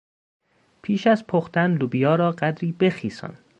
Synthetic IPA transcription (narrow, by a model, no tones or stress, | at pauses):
pʰiːʃæzpʰoxt̪ænlubijɒːɾɒːɢæd̪ɾiːbe̞xiːsɒ̰ːn